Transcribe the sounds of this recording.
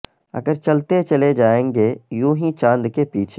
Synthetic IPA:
ɐ̰ɡəɾt͡ʃɐlt̪et͡ʃɐled͡ʒaːẽːŋɡejũːɦĩt͡ʃãːnd̪kepiːt͡ʃʰe

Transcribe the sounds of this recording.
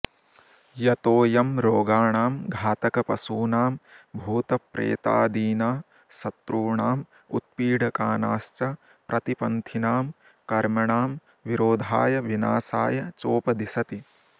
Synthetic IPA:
jɐt̪oːjɐmɾoːɡaːɳaːmɡʱaːt̪ɐkɐpɐsuːnaːmbʱuːt̪ɐpɾḛːt̪a̰ːd̪iːnaː | sɐt̪ɾuːɳaːm | ṵt̪̚piːɖʱɐkaːnaːst͡ʃɐ | pɾʔɐt̪ipɐnt̪ʰinaːm | kɐɾmɐɳaːm | ʋiɾoːd̪ʱaːjɐʋinaːsaːjɐt͡ʃoːpɐd̪isɐt̪i

